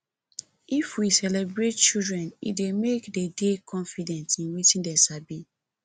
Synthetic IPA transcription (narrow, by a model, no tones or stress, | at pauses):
ifwisɛlɛbɹet̚t͡ʃidɹɛ̃nḭdemekdedekʰɔ̃nfidɛ̃ntĩnwitĩndɛsabi